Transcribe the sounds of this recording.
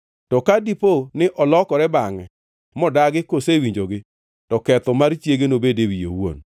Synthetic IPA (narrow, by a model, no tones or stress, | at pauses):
tɔkadiponɪʔɔlɔkɔɾɛbaŋɛ̰ | mɔdaɡɪkosewiɲd͡ʒoɡɪ | tɔkɛt̪ɔmaɾt͡ʃjeɡenobedewijḛwo̰n